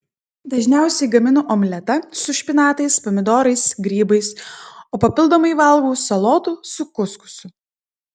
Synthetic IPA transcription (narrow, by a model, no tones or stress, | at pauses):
d̪ɐʒʲnʲæˑʊsʲɛɪɡɐmʲɪnoʔɔmʲlʲɛt̪ɐsʊʃʲpʲɪnɑːt̪ɐɪspɔmʲɪd̪oːɾɐɪsɡɾʲiːbɐɪsoːpɐpʲɪlˠd̪oːmɐɪʋɐˑlˠɡuːsɐlˠɔːt̪usʊkʊskʊ̥sʊ